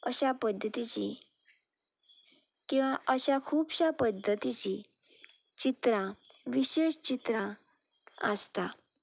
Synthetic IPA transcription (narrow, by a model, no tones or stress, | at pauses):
əɕapəd̪ʱːət̪it͡ɕi | kĩw̃ʋaʔəɕakʰuːbɕapəd̪ʱːət̪it͡ɕi | t͡ɕit̪ɾãʋiɕeɕt͡ɕit̪ɾã | ə̰st̪a